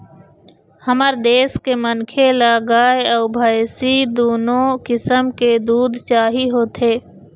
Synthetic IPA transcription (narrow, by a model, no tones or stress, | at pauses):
həməɾd̪eːskemənkʰelaːɡaːjəʊbʱaːɪsid̪oːnõkɪsəmked̪uːd̪ʱt͡ʃaːɦiɦoːt̪ʰeː